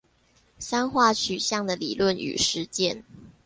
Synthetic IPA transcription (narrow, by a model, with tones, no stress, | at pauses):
sa˥nxwa˥˩t͡ɕʰy˨˩ɕjɑ˥˩ŋd̪ə˨lḭ˨˩lwə˥˨ny̰˨˩ʂɻ̩˨˦t͡ɕjɛ˥˧˨n